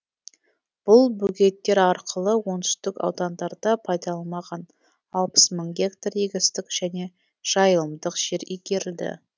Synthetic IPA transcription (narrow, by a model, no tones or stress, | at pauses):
b̥ʊlˠbuɡʲe̞t̪ːe̞ɾɑɾqʰəlˠəwo̞nt̪ʏ̥st̪ɪkɑ̰wd̪ɑnd̪ɑɾd̪ɑpʰɑjd̪ɑlˠɑmɑʁɑn | ɑlˠpə̥sməɴɡʲekt̪arjeɡʲɪst̪ɪkʒ̥æne̞ | ʒ̥ɑjəlˠəmd̪əqʒ̥e̞ɾiɡʲe̞ɾɪld̪ɪ̰